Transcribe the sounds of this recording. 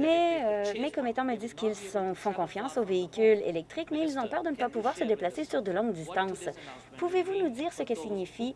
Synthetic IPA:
mɛømɛkɔmet̪ɑ̃məd̪izkʲilsɑ̃fɔ̃kɔ̃fjɑ̃soveikʲylḛlɛk̚t̪χikmɛilzɔ̃pœːʁd̪ənəpapuvwaːʁsəd̪eplasesyʁd̪əlɔ̃ŋɡd̪ist̪ɑ̃s | puvevunud̪iːʁsəkəsiɲifi

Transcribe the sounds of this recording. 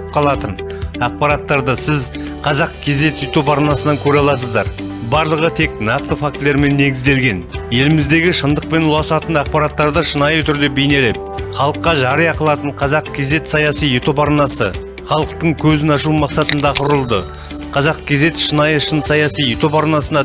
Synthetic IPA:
p̚qʰɑlˠɑt̪ən | ɑq̚pɑɾɑt̪ːɑɾd̪əsɪz | qʰɑzɑq̚kʲʰe̞ze̞t̪jt̪o̞pɑɾnɑsənɑŋkʲʰɵɾeɑlˠɑsəzd̪ɑɾ | bɑɾlˠəʁət̪ʰe̞k̚nɑqt̪əfakt̪le̞ɾme̞nːe̞ɡʲɪzd̪e̞lɡʲe̞nje̞lɪmɪzd̪e̞ɡʲɪʃənd̪əq̚pe̞nʊlˠɑsɑt̪ənɑq̚pɑɾɑt̪ːɑɾd̪əʃənɑjət̪ʰʏɾd̪e̞be̞jne̞lep̚χɑlˠəqːɑʒɑɾəjɑqəlˠɑt̪əɴqʰɑzɑqkʲʰe̞ze̞t̪sɑjɑsijet̪o̞pɑɾnɑsə | χɑlˠəqt̪əɴkʲʰɵzɪnɑʃ̬umɑqsɑt̪ənd̪ɑqʰʊɾəlˠd̪ə | qʰɑzɑq̚kʲʰe̞ze̞t̪ʃənɑjəʃənsɑjɑsijet̪o̞pɑɾnɑsənɑ

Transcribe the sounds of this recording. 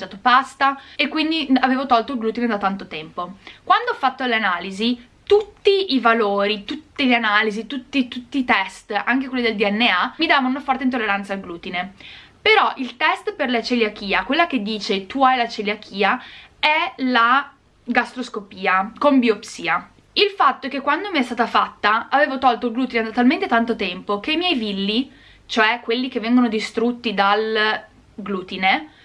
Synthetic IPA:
t͡ʃaːt̪opast̪aekːwind̪iaveːvot̪ɔlt̪oilɡluːt̪ined̪at̪ant̪ot̪ɛmpokwand̪oɔfːat̪ːoleanaːlizi | t̪ut̪ːiːvaloːɾit̪ut̪ːiʎeanaːlizit̪ut̪ːit̪ut̪ːiːt̪ɛst̪aŋkekwelːod̪eld̪iɛnːeamid̪aːvaunafɔrt̪eint̪olːeɾansalɡluːt̪inepeɾɔʔilt̪ɛst̪perlat͡ʃelak̟iːakwelːak̟ed̪ːiːt͡ʃet̪uajlat͡ʃeljak̟ʰiːaɛla | ɡast̪ɾoskopiːakombiopsiːa | ilfat̪ːoɛkekːwand̪omiɛst̪aːt̪afat̪ːaaveːvot̪ɔlt̪oilɡluːt̪ined̪at̪ːalment̪et̪ant̪ot̪ɛmpokeimjɛjvilːi | t͡ʃoɛkːwelːik̟evːɛŋɡonod̪ist̪ɾut̪ːid̪al | ɡluːt̪ine

